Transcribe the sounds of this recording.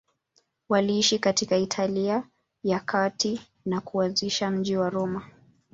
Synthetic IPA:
waliiʃikatikaitʰalia | jakʰati | nakuanziʃam̩ʄiwaɾɔma

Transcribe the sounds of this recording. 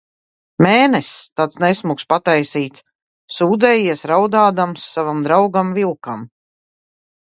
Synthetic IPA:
mɛːnɛst̪at̪snesmukspat̪ajsiːt̪sː | uːd̪zɛːjiɛsɾawd̪aːd̪amsːavamd̪ɾawɡamvilˠkam

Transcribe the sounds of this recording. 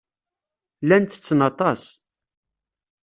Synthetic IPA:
lænt̪ə̥t͡sːənɑt̪ˤɑs

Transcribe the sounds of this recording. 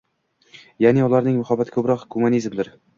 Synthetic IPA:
janɪʊlˠaɾnɪŋmʊhabat̪ɪkʰɵbɾɒqɡʊmʊnizmd̪ɪɾ

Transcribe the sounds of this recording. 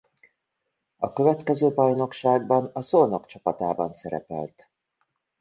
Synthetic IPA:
ɒkø̞vɛt̪kɛzøːbɒjno̞kʃaːɡbɒnɒsolno̞kt͡ʃɒpɒt̪aːbɒnsɛɾɛ̰pɛ̰lt̪

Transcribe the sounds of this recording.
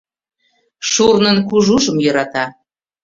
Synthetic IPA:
ʃurnənkuʒuʒəmjɤɾɑt̪ɑ

